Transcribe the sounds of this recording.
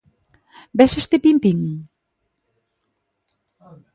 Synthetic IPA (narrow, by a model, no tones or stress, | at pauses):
bɛʃest̪epimpiŋ